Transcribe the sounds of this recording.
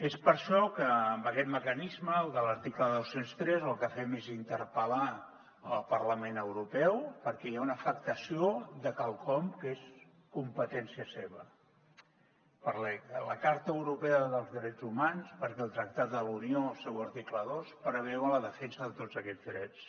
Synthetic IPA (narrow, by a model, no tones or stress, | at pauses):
espəɾʃɔkəːmbəkɛt̪məkənizməːlˠðələɾt̪ikləðowsenst̪ɾɛzəlˠkəfɛmezint̪əɾpəla | əlˠpərləmẽnəwɾupɛwpəɾkɛjaunəfək̚t̪əsiod̪əkalˠkɔmkes | kumpət̪ɛnsiəseβə | pəɾlɛələkaɾt̪əəwɾupeəðəlˠzðɾɛd͡zumanspəɾkɛlˠt̪ɾək̚t̪at̪̚d̪əluniosewəɾt̪ikləðospɾəβɛwələðəfɛnsəðət̪od͡zəkɛd͡zdɾɛt͡s